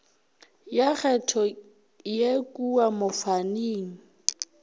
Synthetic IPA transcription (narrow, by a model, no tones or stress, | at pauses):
jaɣɛtʰɔ | jekʼuamʊfaniːŋ̩